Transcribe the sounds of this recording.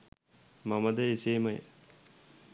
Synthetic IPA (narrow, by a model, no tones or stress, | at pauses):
maməd̪əiseːməjə̰